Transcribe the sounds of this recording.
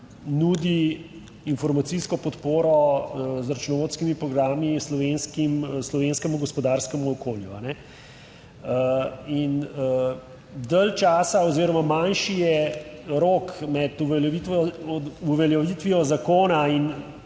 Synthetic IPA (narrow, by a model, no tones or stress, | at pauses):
nud̪iː | nfɔɾmat̪siskɔpɔt̪poːɾɔzɾat͡ʃnɔʋoːt̪skimipɾɔɡɾaːmislɔʋenskimslɔʋenskɛmuɡɔspɔd̪aɾskɛmuɔkoːljuanɛ | inə | d̪əlt͡ʃaːsaɔziːɾɔmamanʃijɛɾoːkmɛt̪ui | uʋɛljaʋiːt̪ʋijɔzakoːnain